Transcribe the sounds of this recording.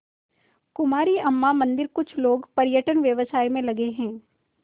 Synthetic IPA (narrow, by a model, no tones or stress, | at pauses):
kʊmaːɾiɐmːamɐ̃nd̪ɪɾkʊt͡ʃʰloːɡpɐɾjəʈənʋjəʋəsaːimẽlɐɡeɦɛ̃ː